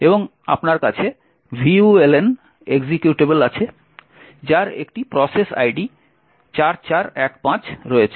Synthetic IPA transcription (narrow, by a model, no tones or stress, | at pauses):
eboŋ | a̰pnaɾkat͡ɕʰe | bʱiuelen | eɡd͡ʑikjuʈebelat͡ɕʰe | d͡ʑaɾḛkʈipɾɔsesa̰jɖi | t͡ɕaɾt͡ɕaɾɛkpãt͡ɕɾɔet͡ɕʰe